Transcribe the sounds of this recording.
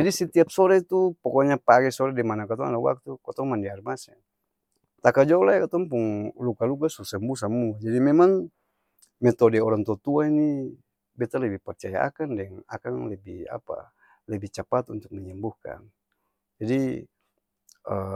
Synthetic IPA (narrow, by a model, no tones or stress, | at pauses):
d͡ʒadisɛt̪iap̚sɔɾɛt̪upɔkɔɲapaɡɛsɔɾɛdimanakat̪ɔŋa̰dawa̰k̚t̪ukat̪ɔŋmandiarmasɛ̰ | t̪akad͡ʒɔulajkat̪ɔŋpuŋlukaluɡasusɛmbus̬amuad͡ʒadimɛmaŋ | mɛt̪ɔdɛɔɾaŋt̪ɔt̪uaini | bɛt̪alɛbihpɛrt͡ʃaja̰a̰kandɛŋa̰kanlɛbiha̰pa̰ | lɛbiht͡ʃapat̪ṵnt̪uk̚mɛɲɛmbuhka̰n | d͡ʒadi | ə